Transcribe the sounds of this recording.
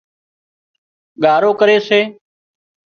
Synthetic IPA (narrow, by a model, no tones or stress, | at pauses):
ɠaːɾoːkəɾeːseː